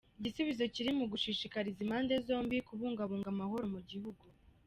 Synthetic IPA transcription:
iɟisuβizo̞ciɾimuɡuʃiʃikaɾizimaːndezo̞ːmbikuβuːŋɡaβuːŋɡamaho̞ɾo̞muɟihuɡu

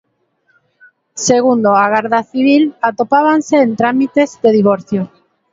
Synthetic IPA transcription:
seɣ̞und̪oaɣaɾðaθiβ̞ilat̪opaβ̞anseːnt̪ɾamit̪ezðeð̞iβoɾθjo

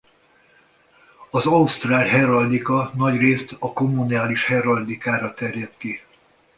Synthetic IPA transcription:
ɒzɒust̪raːlɦɛɾɒld̪ikɒnɒɟreːst̪ɒko̞muniaːliʃhɛɾɒrd̪ikaːɾɒt̪ɛrjɛt̪ki

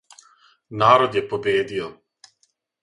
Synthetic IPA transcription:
naːɾod̪jepobeːd̪io

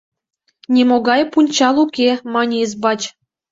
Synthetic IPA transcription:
nʲemoɡɑjpunʲt͡ɕɑlˠukʲemɑnʲezbɑt͡ɕ

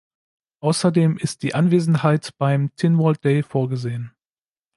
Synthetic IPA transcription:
ʔaʊsɐdeːmɪst̚d̥iːʔanveːzn̩ɦaɪtb̥aɪmtʰɪnvɔlt̚d̥eɪfoːɐɡəzeːən

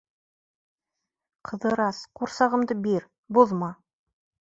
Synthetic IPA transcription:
qʰɤ̆ðɤ̆ɾɑsquɾsɑʁɤ̆md̪ɤbiɾ | buðmɑ

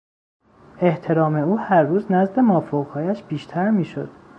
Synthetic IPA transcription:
e̞ht̪ʰe̞ɾɒːme̞uːhæɾːuːznæzd̪e̞mɒːfoɣhɒːjæʃb̥iːʃt̪ʰæɾmiːʃo̰d̪̥

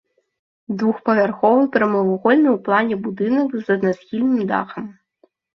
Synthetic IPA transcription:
d̪vuxpɐvʲarxɔvɨwpɾɐmɨvɔɣɔlʲnɨwplˠanʲɛbud̪ɨnɐkzɐd̪nasxʲilʲnɨmd̪a̰xɐm

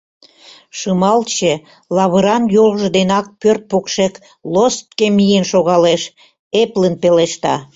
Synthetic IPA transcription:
ʃəmɑlt͡ɕe | lɑβəɾɑnjoʁʒəd̪enɑk̚pørt̪̚pokʃek | lost̪̚kemijenʃoɣɑleʃ | eplənpeleʃt̪ɑ

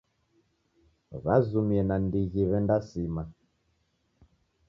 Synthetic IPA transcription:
βazumiɛnandiɣiβɛndasima

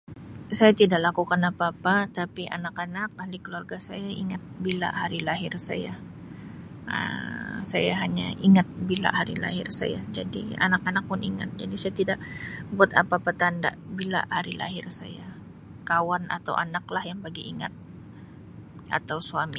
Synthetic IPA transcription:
sajat̪idaʔlakukanapaːpat̪apiʔa̰nakanak̚ahlikəluarɡasajaiŋat̪̚bila̰haɾilaɦɪrsa̰ja | ə̰sajaɦaɲa̰ʔiŋat̪̚bila̰ɦaɾila̰hɪrsa̰ja̰d͡ʒadḭa̰nakanak̚pʊniŋa̰t̪̚d͡ʒa̰disajat̪idaʔbuat̪apapat̪anda̰ʔbila̰ʔhaɾila̰ɦɪrsa̰ja | kawana̰t̪a̰wʔa̰naklahjaŋpaɡiʔːŋa̰t̪̚ | a̰t̪awsuami

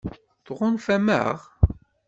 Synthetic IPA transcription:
θʁʊnfæmə̰ʁ

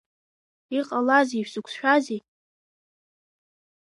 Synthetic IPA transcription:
iqʼalaziʃᶣsɨkʷʰsʃᶣazi

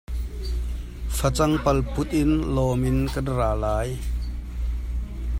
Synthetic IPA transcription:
fɐt͡sɐŋpɐlpʊt̪̚ʔɪnlɔːmɪnkɐnraːlaːj

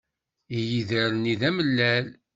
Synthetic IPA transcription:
ijiðəɾniðæməlːæl

